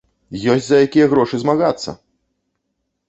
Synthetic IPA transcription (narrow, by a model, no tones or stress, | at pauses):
jɔsʲzɐjakʲijɐɣɾɔʂɨzmaɣat̪sːɐ̰